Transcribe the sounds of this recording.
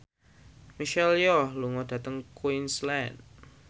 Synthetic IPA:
miʃɛljɔhluŋɔd̥ä̤t̪əŋkuinslɛn

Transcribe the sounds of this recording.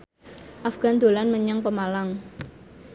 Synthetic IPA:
ʔafɡ̥a̤nd̪̥o̤lanməɲaŋpəmalaŋ

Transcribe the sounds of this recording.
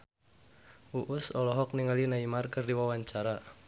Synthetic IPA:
ʔuʔusɔlɔɦɔk̚niŋalinaimarkɨrdiwawaɲt͡ʃaɾa

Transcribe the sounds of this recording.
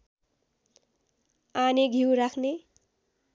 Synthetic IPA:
aneɡʱiwɾakʰne

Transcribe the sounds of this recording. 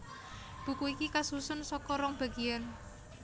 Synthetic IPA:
b̥ṳkuikikasusʊnsɔkɔɾɔŋb̥a̤ɡian

